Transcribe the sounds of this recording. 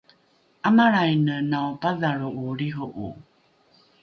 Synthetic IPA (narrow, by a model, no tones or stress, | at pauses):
ʔamaɾajnənawpaðaɭuuɾiɦuʔṵ